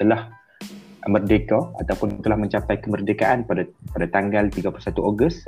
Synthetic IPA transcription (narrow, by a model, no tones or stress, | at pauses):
t̪əlah | mərdekaa̰t̪awpʊnt̪əlahmə̃ɲt͡ʃapajkəmərdekaʔanpadapadat̪aŋɡalt̪iɡapulusat̪uʔoɡəs